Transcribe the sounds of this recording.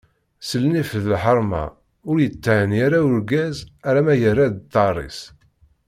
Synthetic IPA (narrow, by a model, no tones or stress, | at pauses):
səlnifðəlħəɾˤmɑ̰ | ʊɾjət̪ːəʕənjaɾaʊɾɡæzæɾæmæjərːæd̪t̪ˤːɑrˤːḭs